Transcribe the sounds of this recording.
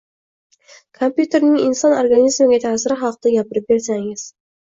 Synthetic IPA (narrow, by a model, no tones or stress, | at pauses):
kʰompjut̪ʰe̞ɾnɪŋɪnsɒnoɾɡanizmɪɡʲat̪ʰaːsɪɾɪχɑqt̪aɡʲapɪɾɪp̚be̞ɾsaŋɪz̥